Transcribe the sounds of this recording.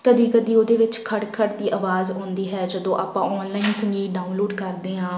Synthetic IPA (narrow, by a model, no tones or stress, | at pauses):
kəd̪iːkəd̪iːoːd̪eːʋɪt͡ʃkʰəɽkʰəʈd̪iːʔaːʋaːzɦõːnd̪iːɦɛːd͡ʒəd̪õːʔaːpãːɔːnlaːinsəŋɡiːɖaːʊnloːɖkəɾd̪eːɦãː